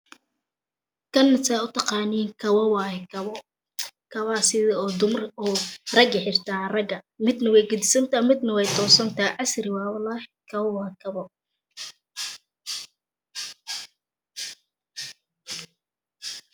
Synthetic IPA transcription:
kʰɐnːɪsaʊt̪ʰɑqɑːniːŋkʰɐwɐwɑːhk | kʰɐβaːsɪðɐɔːd̪ʊmrɔːrɐɡɐħɪrt̪ʰaːrɐɡɐmɪd̪nɐwɛjɡʊd̪ɪsɐnt̪ʰaːmɪd̪nɐwɛjt̪ʰɔːsɐnt̪ʰaːɑsɾɪwɑːwɐlaːhkʰɐβɔwɑːkʰɐβɔ

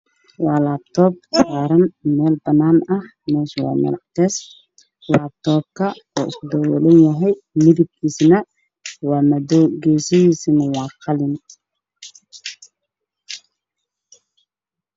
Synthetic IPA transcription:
wɑːlaːb̚t̪ʰɔːb̚aːɾɐnmɛːlbɐnːaːnɐh | mɛːswɑ̰ːmɐ̰lɑ̰t̪ʰɛːs | laːb̚t̪ʰɔːb̚kʰɐɔːɪskʊd̪ɔwɛ̰lɐnjɐɦɛj | mɪðib̚kʰiːsnɐ | wɑːmɐdɔɡɛjsɪjiːsɪnɐwɑːqʰɑlɪn

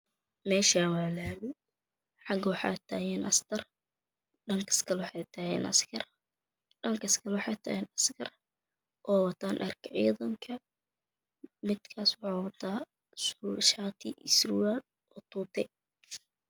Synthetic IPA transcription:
mɛːʃaːnwɑːlaːmɪ | ħɑɡɐwɑħɑ̰ːt̪ʰaːjɛːnʔɐst̪ʰɐr | ɖɐŋkʰɐ̥skʰɐlwħɑjt̪ʰɐhɛ̰ːnʔɐ̰skʰɐr | ɖɐŋkʰɐɪskʰɐlɛwħɑjt̪ʰɐ̰ːɛːnɐskʰɐr | ʔɔːwɑt̪ʰaːnʔɐrkʰɐʕḭːðɐŋkʰɐ | mɪd̪kʰaːswʊħɑːwɐt̪ʰaː | sʃaːt̪ʰɪ̰ʔɪsɾwaːl | ɔːt̪ʰuːt̪ʰɛ

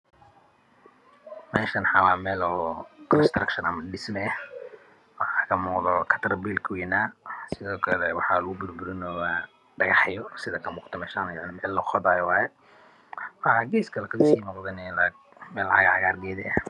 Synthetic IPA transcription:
mɛːʃɐnħɑwaːmɛːlɔkʰɾst̪rɐkʃɐnɐmɐɖɪsmɛɛ | wɑħɑkʰɐmuːqðɔkʰɐ̥t̪ʰɾɐbiːlkʰɐwɛːnaːsɪðɔːkʰɐlɛwɑħɑːlʊɣʊbʊlbʊɾɪnɔːwa | ɖɐɣɑħjɔsɪðɐkʰɐmuːqt̪ʰɔmɛːʃanjaʕnɪmɛːlːɔχɔðaːjwaːjɛ | wɑʕaɡɛːskʰɐlɛkʰɐsiːnɔqðɐnɛl | mɛlɐʕɑɣɐʕɣaːrɡɛːðɛɐ

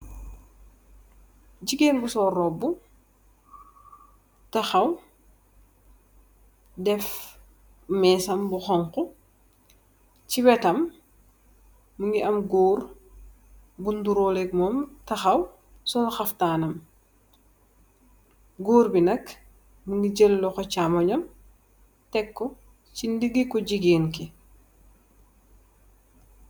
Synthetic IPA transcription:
ɟiɡeːnbusɔːrɔbːu | tɐxɐw | dɛf | mɛːsɐmbuxɔŋkɔ | ciwɛtɐm | uŋɡiʔɐmɡoːɾ | bunduɾolɛk̚mɔːmtɐxɐw | sɔnxɐftaːnɐm | ɡoːɾbinɐk | muŋɡiɟelːɔkɔcamɐɲɐm | tɛkːɔ | cindiɡikɔɟiɡeːnki

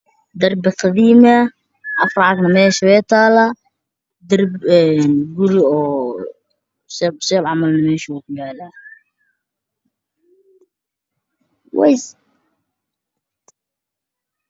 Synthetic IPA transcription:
d̪ɐrbɪqɑðiːmɐ | ʔɑfrɑʕɑɡnɐmɛːʃɐwɛːt̪ʰaːlɐ | d̪ɐrbɛːnɡʊɾɪɔː | sɛbsɛːbʕɑmɐlnɐmɛːʃɪʊkʊjaːla | wɛ̰js

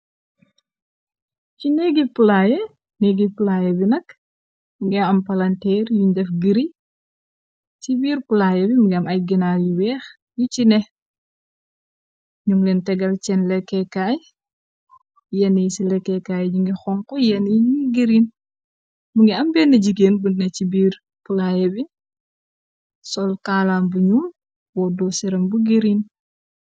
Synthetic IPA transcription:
cinɛɡipulaːjɛ | nɛɡipulaːjɛbinɐk | muŋɡɛɐmpɐlɐntɛrjuɲdɛfɡiɾi | t͡ʃibiːrpulaːjɛbimuŋɡɛɐmɐjɡinajuwɛːx | jucinɛ | ɲuŋlɛntɛɡɐlt͡ʃɛnlɛkːɛkaːj | jɛnijsilɛkːɛkajd͡ʒiŋɡixɔŋkɔjɛniɲuɡiɾin | muŋɡiɐmbɛːnːɐɟiɡeːnbunnɐcibiːɾ | pulajɛbi | sɔlkaːlaːmbuɲum | wɔdɔsiɾɐmbuɡiɾiːn

